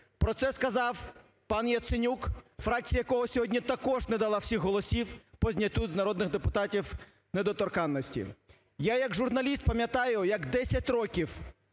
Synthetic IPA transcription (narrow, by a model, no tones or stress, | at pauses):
pɾɔt̪sɛskɐzɑw | pɑnjɐt̪sɪnʲukfɾɑk̚t͡sʲijɐkɔɦɔsʲɔɦɔdʲnʲit̪ɐkɔʒnɛd̪ɐlˠɑwsʲixɦɔlˠɔsʲiwpɔzʲnʲɐt̪ʲuznɐɾɔd̪nɪɣd̪epʊt̪ɑtʲiw | ned̪ɔt̪ɔrkɑnːɔsʲtʲḭ | jajɐɡʒʊrnɐlʲist̪̚pɐmʲjɐt̪ɑjʊjɐɡd̪ɛsʲɐtʲrɔkʲiw